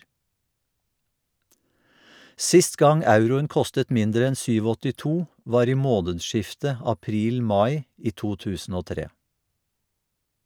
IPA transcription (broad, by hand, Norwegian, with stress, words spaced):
ˈsɪst ˈɡɑŋ ˈɑʉɾʊəŋ ˈkɔstət ˈmɪndɾə ˈɛn ˌsyːˌʋɔtɪˈtuː ˈʋɑːɾ ˈiː ˈmoːnədˌʃɪftə ɑˈpɾiːlˌmɑɪ ˈiː ˈtuː ˈtʉːsn̩ ˈoː ˈtɾeː